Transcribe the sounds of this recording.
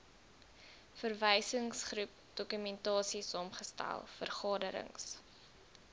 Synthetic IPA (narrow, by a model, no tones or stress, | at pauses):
fərvəjsəŋsχrup̚d̥ɔkymɛntɑːsisɑːmχəstæ̰lˠfərχɑːdəɾə̰ŋs